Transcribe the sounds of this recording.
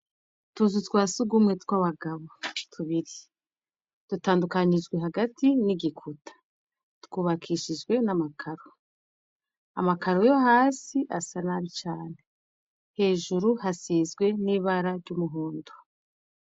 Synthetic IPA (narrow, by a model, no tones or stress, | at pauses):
tuzutkwaːsuɡumŋetkwaβaɡaβotʰuβiɾi | d̥utaːndukaɲid͡ʒɡwe̞ɦaɡatʰiniɡikʰutʰḁ | tkuːβakʰiːʃid͡ʒɡwe̞namakʰaɾo | a̰makaɾojo̞haːsiʔasanaɾit͡ʃaːne | he̞ːʒuɾuhasiːzɡwe̞niβaɾaɾɟuːmuɦoːndo